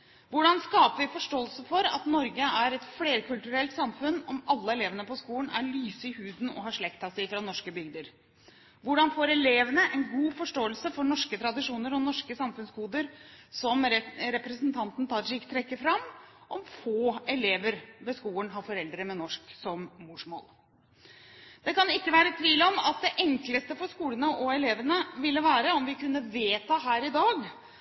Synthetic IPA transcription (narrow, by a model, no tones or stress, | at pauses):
ʋʊɖɑnskɑːpəʋɪfɔʂʈoːəlsəfɔɾɑ̰t̪nɔɾɡəæɾɛt̪fleːɾkʰʉlt̪ʉɾɛlt̪sɑmfʉnɔmɑlːəɛleːʋənəpɔskuːlənæ̰ɭyːsəɪhʉːd̪n̩ɔ̰ɦɑʂɭɛkt̪ɑsæɪfɾɑnɔʂkəbʏɡd̪əɾ | ʋʊɖɑnfoːɾɛleːʋənəʔɛnɡuːfɔʂʈoːəlsəfɔɳɔʂkət̪ʰɾɑd̪ɪʂuːnəɾɔnɔʂkəsɑmfʉnskuːd̪əɾsɔmɾɛpɾɛsənt̪ʰɑnt̪n̩t̪ʰɑʂɪkt̪ʰɾɛkːəfɾɑmʔɔmfoːɛleːʋəɾʋɛskuːənɦɑɾfɔɾɛld̪ɾəmɛnɔʂksɔmmʊʂmo̰ːl | d̪ɛkɑnɪkːəʋæːɾət̪ʰʋiːlɔmɑt̪̚d̪ɛʔɛŋkləst̪əfɔɾskuːlənəʔɔɛleːʋənəʋɪlːəʋæːɾəɔmʋɪkʉnːəʋeːt̪ɑːɦæːɾɪd̪ɑːɡ